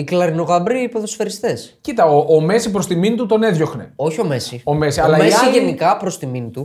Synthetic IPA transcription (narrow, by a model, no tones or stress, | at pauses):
iklɐɾino̞ɣɐbɾiːpoðosfeɾist̪escit̪ɐoʔːme̞sipɾost̪iminit̪ut̪o̞ne̞ðʝo̞xne̞̰o̞çio̞mesio̞mesiɐlɐeɐiʝenikɐpɾo̞st̪iminit̪u